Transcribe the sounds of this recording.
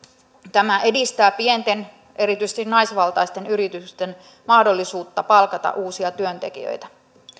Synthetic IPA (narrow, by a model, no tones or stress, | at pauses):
t̪æmæʔe̞dist̪æːpie̞nt̪e̞n | e̞ɾit̪yjsest̪innɑjsʋɑlt̪ɑjst̪e̞nyɾit̪ykst̪e̞n | mɑhdo̞lːisuːt̪ːɑpɑlkɑt̪ɑ̰ʔuːsiɑt̪yønt̪e̞̰k̟ḭjø̰jt̪æ